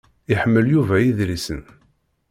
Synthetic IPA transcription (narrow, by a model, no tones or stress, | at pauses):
iħəmːəljuvæjiðɾisə̰n